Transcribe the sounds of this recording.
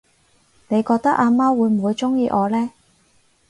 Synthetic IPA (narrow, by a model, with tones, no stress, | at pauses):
ne˨˧jkɔː˧k̚t̪ɐ˥k̚ʔaː˧maː˥wuː˨˧jm̩˨˩uː˨˧jt͡sʊ˥ŋjiː˧ʔɔː˨˧lɛː˥